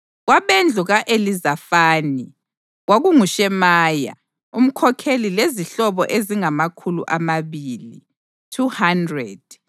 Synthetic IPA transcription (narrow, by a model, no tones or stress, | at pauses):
ɣwaβɛnd͡ɮʱuɣaʔelizafaːni | waɣuŋuʃɛmaːja̰ | um̩kʰɔkʰelileziɬɔβɔ̰ʔeziŋamakʰulṵʔamaβiːli | tʰuhandrɛd̥